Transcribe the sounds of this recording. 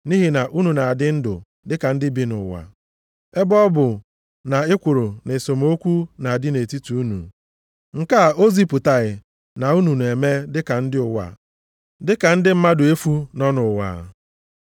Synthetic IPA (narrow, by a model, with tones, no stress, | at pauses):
ni˦ɦi˦na˨ʔu˦nu˨na˨a˨dɪ˦n̩˦dʊ̰˨ | dɪ˦ka˨n̩˦dɪ˦bi˦nʊ˨wa̰˨ | e˦bɔ˦bʊ˨ | na˨ɪ˦kʷʊ˨ɾʊ˨ne˨so˨m˦o˦kʷu˦na˨a˨dɪ˦ne˨ti˦tu˨u˦nṵ˨ | ŋ̩˨ka˦˨o˦zi˦pʊ˨ta˨ɣɪ˨ | na˨u˦nu˨n˨e˨me˦dɪ˦ka˨n̩˦dɪ˦ʊ˨wa̰˨ | dɪ˦ka˨n̩˦dɪ˦m̩˦ma˦dʊ˨e˦fu˦nɔ˦nʊ˨wa̰˨